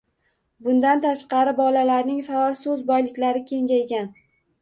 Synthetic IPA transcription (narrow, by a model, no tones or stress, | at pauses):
bʊnd̪ant̪ʰaʃqɑɾɪbɒlalaɾnɪŋfaɒlˠsɵzbɒjlɪkʲlaɾɪkʲʰe̞ŋɡʲajɡʲan